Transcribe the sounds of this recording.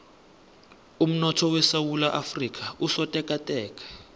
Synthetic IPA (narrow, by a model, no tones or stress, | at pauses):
um̩nɔtʰɔwɛsawulaʔafrik̬ʰʼausɔtʼɛkʼatʼɛːkʼḁ